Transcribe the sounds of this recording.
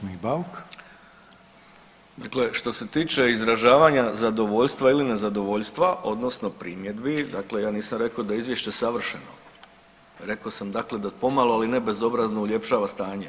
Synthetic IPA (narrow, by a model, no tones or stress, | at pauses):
mibauk | d̪akle̞ʃt̪o̞se̞t̪iːt͡ʃe̞izɾaʒaːʋaɲazad̪o̞ʋo̞ʎst̪ʋailine̞zad̪o̞ʋoʎst̪ʋaʔo̞d̪no̞sno̞pɾiːmje̞d̪bid̪akle̞jaːniːsamɾe̞kod̪aizʋje̞ʃt͡ɕe̞saʋr̩ʃeno̰ | ɾe̞kosamd̪akle̞d̪apo̞maloaline̞be̞zo̞bɾaznoulʲje̞pʃaːʋast̪aːɲe